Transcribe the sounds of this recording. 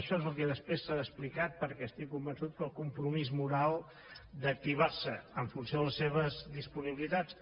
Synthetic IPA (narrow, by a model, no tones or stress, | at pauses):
əʃɔezəlˠkɛðəspɾesːaðəsplikat̪̚pəɾkɛəst̪ikːumbənsut̪̚kəlˠkumpɾumizmuɾalˠ | d̪ək̚t̪iβ̞arsəəɱfunsjoðələseβ̞əzðispuniβilit̪at͡s